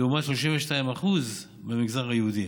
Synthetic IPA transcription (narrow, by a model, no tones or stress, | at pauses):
umaʃloʃimveʃtaimaχuz | bemiɡzaʁhajehud̪i